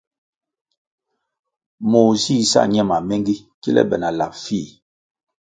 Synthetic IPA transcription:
mo˨zi˦˨sa̰˦˨ɲɛ˦˨ma˨mɛ˦ŋɡi˦ki˦lɛ̰˦bɛ˨na˨la˨p̚fi˦˨

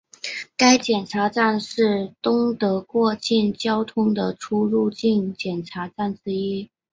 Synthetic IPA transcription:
ka˥ɪt͡ɕjɛ˨˩nʈ͡ʂʰa˧˥ʈ͡ʂa˥˧nʂɻ̩˥˩t̪ʊ˥ŋt̪ɤ˧˥kwɔ˥˧t͡ɕi˥˩nt͡ɕjɑ˥ʊt̪ʰʊ˥ŋd̪ə˨ʈ͡ʂʰu˥ɻu˥˧t͡ɕi˥˩ŋt͡ɕjɛ˨˩nʈ͡ʂʰa˧˥ʈ͡ʂa˥˩nʈ͡ʂɻ̩˥i˥

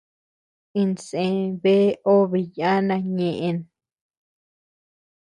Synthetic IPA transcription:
ĩ˧nsẽ˧βe˦o˦βi˧ja˦nã˧ɲẽ˨ʔẽ˧n

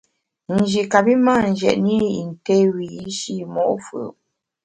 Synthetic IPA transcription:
n̩˨d͡ʒi˨ka˨bi˦ma˦˨n̩˨d͡ʒɛ̰˨ʔni˦i˨n̩˨te˦wi˨i˦ʃi˦˨mɔ̰˦˨ʔfə̰˨

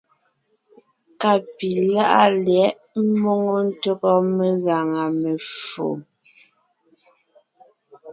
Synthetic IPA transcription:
ka˨pi˨la˦ʔa̰˦ljɛ˨˦ʔ | m̩˦mɔ˦ŋo˦n̩˦tɔ˦kɔ˦me˦˨˦ɣa˨ŋa˨me˨fo̰˨

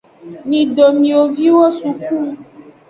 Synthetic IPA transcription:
nĩ˨ɖo˨mĩ˨o˨vi˦wo˦su˨ku˦

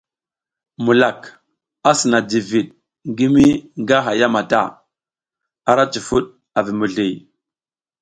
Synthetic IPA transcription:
mu˨la˨k | a˦sə˨na˨di˨vi˨ɗ̚ | ŋɡi˦mi˦ŋɡa˦ɦa˨ja˦ma˨ta̰˦˨ | a˦ɾa˦t͡ʃi˨fu˦ɗ | a˨vi˨mu˨ɮi˨j

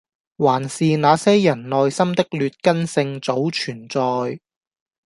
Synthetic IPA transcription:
waː˨˩nsiː˨naː˨˧sɛː˥jɐ˨˩nnɔː˨jsɐ˥mt̪ɪ˥k̚lyː˨˧t̚kɐ˥nsɪ˧ŋt͡so˨˥wt͡ʃʰyː˨˩nt͡sɔː˨j

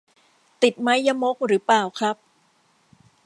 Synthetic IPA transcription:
t̪i˨˩t̪̚ma˦˥jːa˧˥mo˦˥k̚ɾɯː˩˦plaː˨˩wkʰɾa˦˥p̚

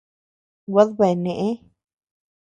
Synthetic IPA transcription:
wa˦ðβa˧e˨nẽ˨ʔẽ˦

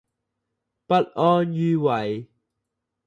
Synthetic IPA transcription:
pɐ˦˥t̚ʔɔː˧njyː˧wɐ˨˦j

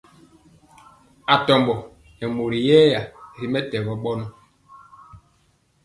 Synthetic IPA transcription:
a˨tɔ˨mbɔ˨ | nɛ˨mo˨ɾi˨jɛː˦ja˨ɾi˨mɛ˦tɛ˨ɣɔ˨ɓɔ˦n˦

